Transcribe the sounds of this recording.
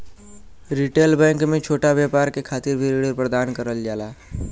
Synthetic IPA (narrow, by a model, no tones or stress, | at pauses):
ɾiʈelbɛ̃ŋkmẽt͡ʃʰoʈabjapaɾkekʰat̪iɾbʱiɾiɽəɾpɾəd̪ankəɾəld͡ʒala